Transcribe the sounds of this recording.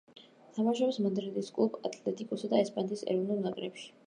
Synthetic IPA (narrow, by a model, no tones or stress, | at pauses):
t̪ʰamaʃɔpsmɔnd̪ɾɛd̪ʼiskʼlˠubat̪ʰlɛt̪ʼikʼuɾsad̪aɛspʼant̪ʼisɛ̰ɾɔvnulˠnakʼɾɛpʃi̥